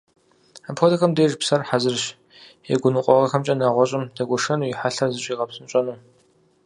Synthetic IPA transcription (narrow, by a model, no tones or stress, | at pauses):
apʰxɔdɐxɐmdeːʒpsɐrħazɨrɕ | ḛɡʷʊnɨqʷʼɔʁɐxɐmt͡ʃʼɐnaʁʷɔɕʼɪmdɐɡʷɔʂɐnuːjiħaɬɐrzɨɕʼiːʁɐpsɨnɕʷʼɐnuː